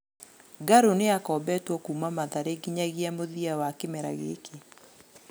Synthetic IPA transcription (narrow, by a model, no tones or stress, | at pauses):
ɡaɾoneakɔːbɛtwɔkuːmamaðaɾeɡiɲaɣiamoðiawakemɛɾa̰ɣḛkʰe